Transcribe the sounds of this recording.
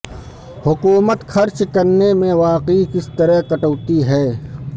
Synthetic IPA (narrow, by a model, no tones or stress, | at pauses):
hʊkuːmət̪xʰɐɾt͡ʃkɐɾnemẽʋaːqikɪst̪əɾəɦkɐʈəːt̪iɦɛː